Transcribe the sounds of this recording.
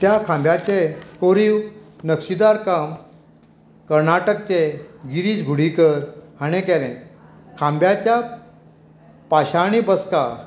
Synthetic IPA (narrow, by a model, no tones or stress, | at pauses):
t̪jakʰãmbjat͡ɕekoɾiːwnəkɕid̪aɾkam | kəɾnaʈək̚t͡ɕeɡiɾiːt͡sɡʱuɽ̤ikəɾhaɽ̃ẽkɛɾẽ | kʰãmbjat͡ɕja | paɕaɽ̃ibəska